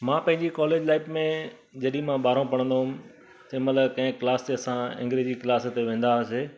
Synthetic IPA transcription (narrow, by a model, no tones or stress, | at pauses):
mãːpɐ̃ɦɪ̃ɲd͡ʑikɔːleːd͡ʑlaːɪbmẽ | d͡ʑɐɗĩmãɓaːɾõpɐɽ̃ə̃nd̪oɦʊm | semɐt̪ləbkɐ̃ɦɪ̃kɪlaːst̪eɐsãɪ̰̃ŋɡɾeːd͡ʑikɪlaːst̪eʋẽːn̆d̪aseː